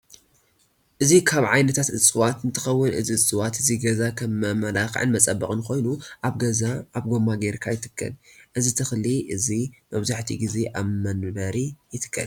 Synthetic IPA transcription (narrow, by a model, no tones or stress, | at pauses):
ʔɨzikʰaβʕajnɐt̪ʰat̪ʔɨt͡sʼɨwat̪ɨnt̪ʰɨxɐwːʊnʔɨ̰ziɨt͡sʼɨwat̪ɨziɡɐzakʰɐmɐmɐlaxʕɨ̰nmɐt͡sʼɐbːɐkʼɨnko̞jnuʔaβɡɐzaaβɡo̞mːaɡeɾkʰajɪt̪ʰɨ̥kʰːɐ̰lʔɨzit̪ʰɨxliʔɨzimɐβzaħt̪ʰḭɡize̞ʔaβmɐnbɐɾijɨt̪ʰɨ̥kʰːɐ̰l